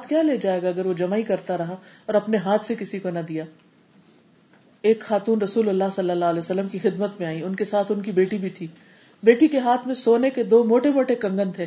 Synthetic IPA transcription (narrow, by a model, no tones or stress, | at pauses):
aːt̪ʰkjaːleːd͡ʒaːeːɡaɐɡəɾʋod͡ʒɐmaːikɐɾt̪aɾɐɦaɔːɾɐpneɦãːt̪ʰsekɪsikonɐd̪ijaː | eːkxaːt̪uːnɾɐsuːlɐlːaɦsɐlːəlːalɛːsɐlːəmkixɪd̪mət̪mẽaːĩʊnkesaːt̪ʰʊnkibeːʈibʱit̪ʰiː | beːʈikeɦaːt̪ʰmẽsoːneked̪oːmoːʈemoːʈekɐ̃ŋɡə̃nd̪ʰɛː